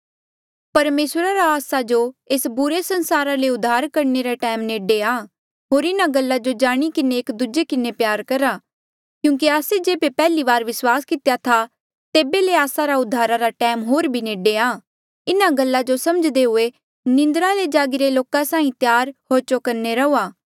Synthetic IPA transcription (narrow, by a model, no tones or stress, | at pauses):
pɐɾmeːsɾaɾaːsad͡ʒoeːsbʊɾesɐ̃nsaːɾaleʊd̪ʱːaːɾkɐɾneɾaʈɛːmneːɖeaː | ɦoːɾɪnaɡəlːad͡ʒod͡ʒaːɽ̃ikɪneːkd̪ud͡ʒekɪnepjaːɾkɐɾaː | kjũːŋk̬iaːsed͡ʒeːbepɛːliʋaːɾʋɪswaːskɪt̪ejat̪ʰa | t̪eːbeleaːsaɾaʊd̪ʱːaːɾaɾaʈɛːmɦoːɾbʱineːɖeaː | ɪnaɡəlːad͡ʒosɐməd͡ʒd̪eɦʊe | nɪ̃nd̪əɾaled͡ʒaːɡiɾeloːkasãːĩt̪jaːɾhoːɾt͡ʃokɐɾneɾɐuːaː